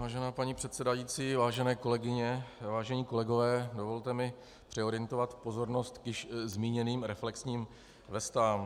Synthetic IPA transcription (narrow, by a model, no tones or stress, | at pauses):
aːʒɛnaːpaɲipr̥ɛt̪sɛdajiːt͡siːvaːʒɛnɛːko̞lɛɡɪɲɛvaːʒɛɲiːko̞lɛɡo̞vɛːdovo̞lt̪ɛmɪ | pr̥ɛo̞ɾɪɛnt̪ovat̪po̞zo̞ɾno̞st̪ɡjɪʃzmiːɲɛniːmɾɛflɛksɲiːm | vɛst̪aːm